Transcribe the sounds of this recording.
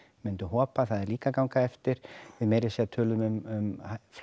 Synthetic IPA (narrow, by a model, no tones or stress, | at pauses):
mɪnt̪ʏɦɔːpaθaðɛɾliːkakawŋkaðɛft̪ɪɾ̥vɪðmeːjɾɪsɛat̪ʰœːlʏmʏmʏmf